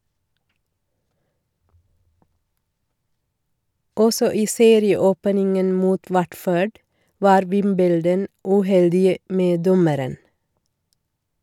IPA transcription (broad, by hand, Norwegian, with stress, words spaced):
ˈɔsɔ ˈiː ˈseːɾɪəˌoːpnɪŋən ˈmuːt ˈwæʈføːɖ ˈʋɑːɾ ˈʋɪmbəldən ʉˈhɛldɪə ˈmeː ˈdɔməɾən